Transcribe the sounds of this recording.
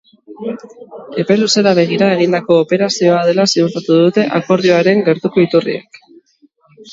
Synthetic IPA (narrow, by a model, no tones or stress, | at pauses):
e̞pe̞luse̞laβe̞ɣ̞iɾaeɣ̞ind̪ako̞ːpe̞ɾasio̞að̞e̞lasiut̪at̪uðut̪e̞ʔako̞ɾð̞io̞aɾe̞ŋɡe̞ɾt̪uko̞it̪urḭḛk